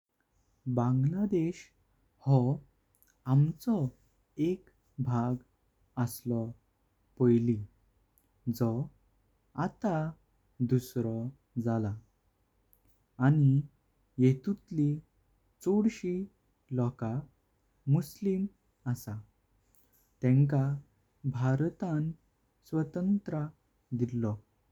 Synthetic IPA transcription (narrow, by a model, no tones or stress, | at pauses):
bãŋɡlad̪eɕ | hɔ | amt͡sɔ | ek | bʱaɡ | əslɔ | pəjli | d͡zɔ | at̪a | d̪usɾɔ | d͡zala | ani | jet̪ut̪li | t͡soɽɕi | lɔka | muslim | əsa | t̪ɛ̃ŋka | bʱaɾt̪an | sʋət̪ənt̪ɾa | d̪ilːɔ